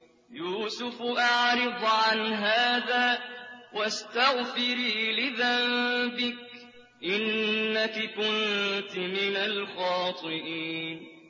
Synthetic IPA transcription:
juːsʊfʔaʕɾɪd̪ˤʕanɦaːðaːwast̪aɣfɪɾiːlɪðambɪk̚ | ʔɪnːakakʊnt̪mɪnalxɑːt̪ˤɨʔiːn

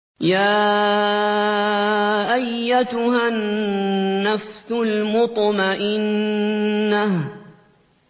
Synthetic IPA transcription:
jaː | ʔajːat̪ʊɦanː | afsʊlmʊt̪ˤmaʔɪnː | ah

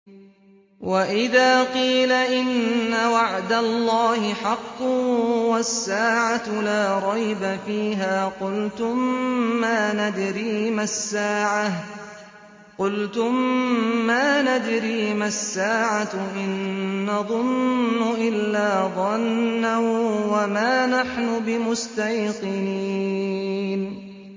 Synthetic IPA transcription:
wʔaʔɪðaːqiːlaʔɪnːawaʕd̪alːɑːhɪħɑqːʊwasːaːʕat̪laːɾˤɑjbafiːɦaːqʊlt̪ʊmːaːnad̪ɾiːmasːaːʕa | qʊlt̪ʊmː | aːnad̪ɾiːmasːaːʕaʔɪnːɑðˤʊnːʊʔɪlːaːðˤɑnːawwamaːnaħnʊbɪmʊst̪ajqɨniːn

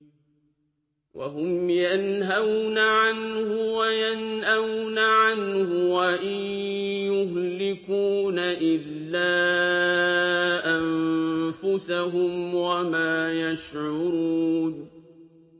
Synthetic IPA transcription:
wʔa̰ɦʊmjanɦawnaʕanhʊwajanhawnaʕanhʊwaʔɪj | jʊhlɪkuːnaʔɪlːaː | ʔamfʊsaɦʊmwamaːjaʃʕʊʊɾuːn

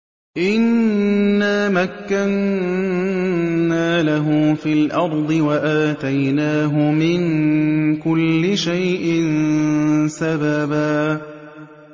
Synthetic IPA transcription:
ʔɪnː | aːmakːan | naːlaɦʊmfiːlʔɑɾˤd̪ˤɨwaʔaːt̪ajnaːɦʊmɪn | kʊlːɪʃajʔɪn | sababaː

